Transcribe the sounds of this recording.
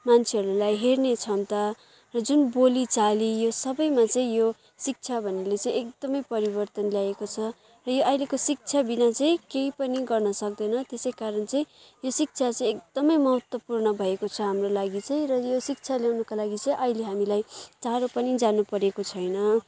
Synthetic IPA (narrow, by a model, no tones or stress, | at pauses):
mant͡sʰeɦʌɾulajɦernet͡sʰʌnt̪a | rʌd͡zunbolit͡salijosʌbʌjmat͡sʌĩjo | sik̚t͡sʰabʱʌnelet͡sãĩek̚d̪ʌmʌjpʌɾibʌrt̪ʌnljaekot͡sʰʌ | rʌjoʔʌjlekosik̚t͡sʰabinat͡sʌĩkeipʌniɡʌrnʌsʌk̚d̪ʌnʌt̪esʌjkaɾʌnt͡sʌĩ | josik̚t͡sʰat͡sʌ̃ĩek̚d̪̥ʌmʌjmʌɦʌt̪wʌpurnʌbʱʌekot͡sʰʌɦamrolaɡit͡sʌĩrʌjosik̚t͡sʰaljawnʌkalaɡit͡sʌĩʔʌileɦamilajt͡saɾopʌnid͡zanupʌɾekot͡sʰʌjnʌ